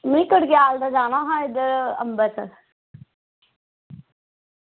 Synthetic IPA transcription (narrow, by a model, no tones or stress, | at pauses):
mənikəɽɡjaːld̪ad͡ʒaːnaːɦãɪd̪əɾə̰mbəsə̰